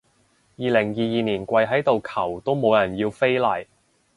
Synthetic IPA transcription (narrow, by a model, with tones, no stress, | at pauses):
jiː˨lɪ˨˩ŋjiː˨˧jiː˨˧niː˨˩nkʷɐ˧jɦɐ˨˥jt̪o˨wkʰɐ˨˩wt̪o˥wmo˨˧wjɐ˨˩njiː˧wfe˥jlɐː˨˩j